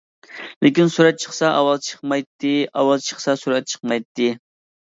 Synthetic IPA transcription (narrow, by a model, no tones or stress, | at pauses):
lʔekʲinsuɾɛt̪̚t͡ʃʰəχsɑʔɑwɑlˠt͡ʃʰə̥χmɑjt̪ːɨɑwɑlˠt͡ʃʰəχsɑsuɾɛt̪̚t͡ʃʰə̥χmɑjt̪ːɨ